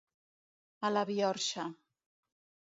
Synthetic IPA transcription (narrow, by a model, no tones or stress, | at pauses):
alaβiɔɾʃa